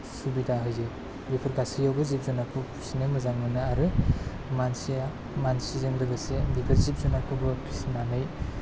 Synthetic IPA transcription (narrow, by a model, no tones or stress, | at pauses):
subidaɦɯjze | bipʰɯɾɡasijawbɯzip̚zɔnakʰɯpʰu̥sinɯjmɯzaŋmɯnɯaɾɯ | mansi | mansizɯŋdɯɡɯsebipʰɯɾzip̚zɔnakʰɯbɯpʰisnanɯj